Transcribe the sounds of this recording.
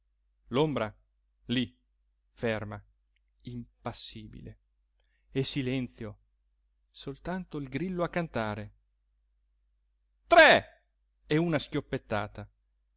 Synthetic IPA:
lombɾa | li | fɛrma | impasːiːbḭle | esilɛnt̪sjo | solt̪ant̪oilɡɾilːoakːant̪aːɾe | t̪ɾɛ | ɛunaskʲjopːet̪ːaːt̪a

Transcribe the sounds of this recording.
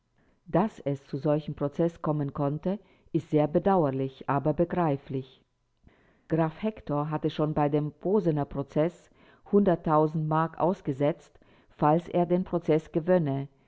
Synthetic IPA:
d̥asɛst͡suzɔlçəm̩pʁ̥ot͡sɛskʰɔmənkʰɔntə | ʔɪstz̥eːɐbədaʊɐlɪçʔaːbɐbəɡʁaɪflɪç | ɡ̥ʁaːfhɛktʰɔɐɦatəʃoːnbaɪdeːmpʰoːzənɐpʁ̥ot͡sɛs | hʊndɐtʰːaʊzn̩tmaɐkʔa̰ʊsɡ̥əzɛt͡st | falsʔḛːɐdeːnpʁ̥ot͡sɛsɡ̥əvœnə

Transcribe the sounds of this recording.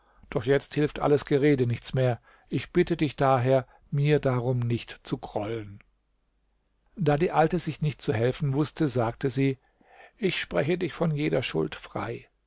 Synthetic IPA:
d̥ɔχjɛt͡sthɪlftʔa̰ləsɡ̥əʁeːdənɪçt͡smeːɐ | ʔɪçb̥ɪtədɪçd̥aːɦeːɐ | miːɐdaʁʊmnɪçtt͡suɡʁ̥ɔlən | d̥aːdiːʔaltəzɪçnɪçt̚t͡suhɛlfn̩vʊstəzaːk̚təziː | ʔɪçʃpʁ̥ɛçədɪçfɔnjeːdɐʃʊ̰ltfʁ̥a̰ɪ

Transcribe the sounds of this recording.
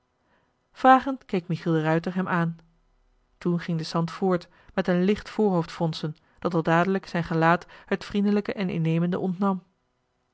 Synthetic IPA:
v̥raːχəntkejkmiχilˠdərœɥtəɹɦɛmʔaːn | tunχɪŋdəsɑntfʊːɹt | mɛtənlɪχtfʊːɹɦowftfɔnsən | d̥ɑtɑlˠdaːdələksɛjnχəlaːthətfrindələkəʔɛnɪ̰nejməndə̰ʔɔntnɑm

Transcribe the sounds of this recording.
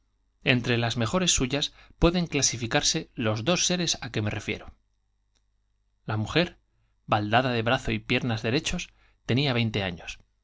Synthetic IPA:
e̞̰nt̪ɾe̞lazme̞xo̞ɾe̞sːuʝaspwe̞ðe̞ŋklasifikaɾse̞lo̞zðo̞sːe̞ɾe̞sake̞me̞re̞fje̞̰ɾo | lamuxe̞ɾ | bald̪aðaðe̞βɾaθo̞ipje̞ɾnazðe̞ɾe̞t͡ʃo̞s | t̪e̞niaβ̞e̞jnt̪e̞a̰ɲo̞s

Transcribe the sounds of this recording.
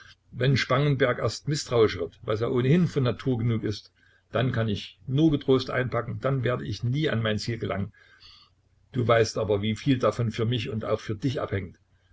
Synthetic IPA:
vɛnʃpaŋənbɛɐkʔḛɐstmɪstʁ̥aʊɪʃv̥ɪɐtvaɪseːɐʔoːnəhɪnfɔnːatʰuːɐɡənuːkɪst | d̥ankʰanɪçnuːɐɡətʁ̥oːstʔa̰ɪnpʰakŋ̩d̥anveːɐdəʔɪçniːa̰nmaɪnt͡siːlɡəlʔa̰ŋən | d̥uːvaɪstʔaːbɐviːfiːldafɔnfyːɐmɪçʊnta̰ʊxfyːɐd̥ɪçʔa̰phɛŋt

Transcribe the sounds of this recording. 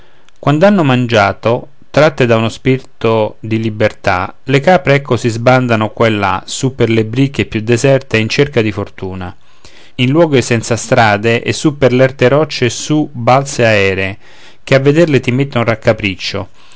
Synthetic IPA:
kwand̪oanːomand͡ʒaːt̪o | t̪ɾat̪ːed̪aunospiɾt̪od̪ilibert̪a̰lekaːpɾeɛkːosizband̪anokwalːa̰supːerlebɾikːepːjud̪ːezɛrt̪eint͡ʃerkad̪ifort̪uːna | inlwɔːɡoesɛnt̪sast̪ɾaːd̪eʔḛsːupːerlɛrt̪eɾɔt͡ʃːesubalt̪seaɛːɾe | k̟eavːed̪ɛrlet̪imet̪ːeunrakːapɾit͡ʃːo̰

